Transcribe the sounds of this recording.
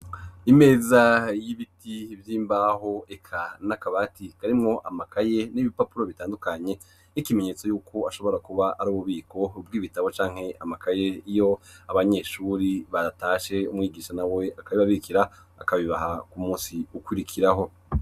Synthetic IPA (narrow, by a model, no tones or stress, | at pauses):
ime̞ːzajiβitivjiːmbaːho̞ekʰanakaβatikaɾimŋo̞ʔamakʰaje̞niβipapuɾo̞βitaːndukaɲe̞ | nikime̞ɲe̞ːt͡so̞juːkʰo̞aʃo̞βo̞ɾakuβaʔaɾuːβuβiːkʰo̞ubɡiːβitaβo̞t͡ʃaːŋ̥he̞amakaje̞ijo̞aβaɲe̞ːʃuːɾiβataːʃe̞umŋiːɡiːʃanawe̞akaβiβaβikiɾa | a̰kaβiβaɦakumuːsiukwiɾikʰiɾaɦo̞